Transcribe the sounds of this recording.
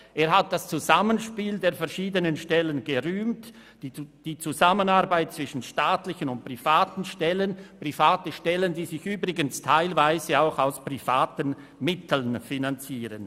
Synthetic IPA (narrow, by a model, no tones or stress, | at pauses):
ʔeːɐɦat̚d̥ast͡suzamənʃpiːldeːɐfɛɐʃiːdənənʃtɛlənɡəʁyːmt | d̥iːt͡suzamənaʁbaɪt̚t͡sv̥ɪʃn̩ʃtaːtlɪçənʊnt̚pʁ̥ivaːtn̩ʃtɛlənpʁ̥ifaːtəʃtɛləndiːzɪçyːbʁɪɡənstʰaɪlvaɪzəaʊxaʊspʁifaːtən | mɪtʰl̩nfinant͡siːʁən